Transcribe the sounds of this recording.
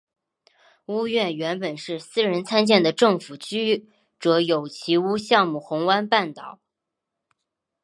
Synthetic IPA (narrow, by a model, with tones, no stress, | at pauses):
u˥ɥɛ˥˩nɥɛ˧˥npə˨˩nʂɻ̩˥˩sɹ̩˥ɻə˧˥nt͡sʰa˥nt͡ɕjɛ˥˩nd̪ə˩ʈ͡ʂɤ˥˩ŋfu˨˩t͡ɕy˥ | ʈ͡ʂɤ˧˥jo˨˩ʊt͡ɕʰi˧˥u˥ɕjɑ˥˧ŋmu˥˩xʊ˧˥ŋwa˥npa˥˩nt̪ɑ˨˩˦ʊ